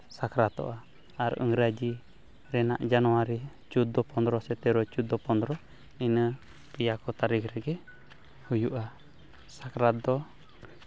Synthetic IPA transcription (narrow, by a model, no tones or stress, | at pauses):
sakɾat̪ɔ̰ʔa | aɾɔ̰ŋɾad͡ʒi | ɾɛna̰ʔd͡ʒanuwaɾi | t͡ʃud̪ɔpɔnd̪ɾɔsɛt̪ɛɾɔt͡ʃud̪ɔpɔnd̪ɾɔ | ninə | pijakɔt̪aɾikɾɛɡɛ | hujuʔa | sakɾad̪ɔ